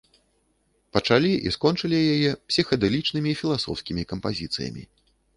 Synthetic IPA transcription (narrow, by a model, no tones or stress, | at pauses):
pɐt͡ʂalʲiʔḭskɔnt͡ʂɨlʲijajɛpsʲixɐd̪ɛlʲit͡ʂnɨmʲiːfʲilˠasɔ̰wskʲimʲikɐmpazʲit̪sɨ̰jɐ̰mʲḭ